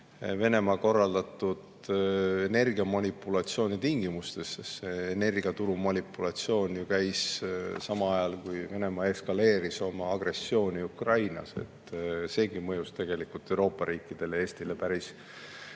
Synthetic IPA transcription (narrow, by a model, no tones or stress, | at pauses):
ve̞ne̞mɑko̞rːɑld̪ɑt̪ːˑud̪̥ | ene̞rɡ̥iɑmɑnʲipːˑulɑt̪sio̞ːnit̪iŋɡ̥imust̪e̞ssːeene̞rɡiɑt̪uɾumɑnʲipːulɑt̪sio̞ːnjukæjssɑmɑɑjɑlkujve̞ne̞mɑe̞skɑle̞ːɾiso̞mɑːɡ̥re̞sːio̞ːniukrɑjnɑ̰se̞̰t̪ːse̞ːɡ̥imɤjust̪e̞ɡ̥e̞likult̪ːe̞wɾo̞ːpːˑɑɾiːkːid̪̥e̞lee̞ːst̪ile̞pæɾis